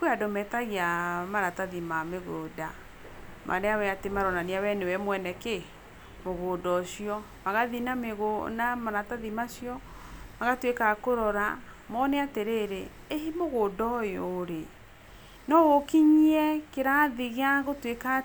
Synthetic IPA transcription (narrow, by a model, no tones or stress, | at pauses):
kwadɔmɛtaɣiamaɾataðimameɣoda | mʔa̰ɾeawɛatemaɾɔnaniawɛnewɛmwɛnɛke | moɣoːdɔʃiɔ | maɣaðinameɣonamaɾataðimaʃjɔmaɣatwekakoɾɔɾa | mɔnɛateɾeːɾe | eɦimoɣoːdɔjoɾe | nɔwokiɲiɛkeɾaðiɣeaɣotweka